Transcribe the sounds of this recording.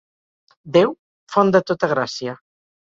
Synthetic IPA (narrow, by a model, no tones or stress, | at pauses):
d̪ew | fɔnd̪ət̪ot̪aɣɾasja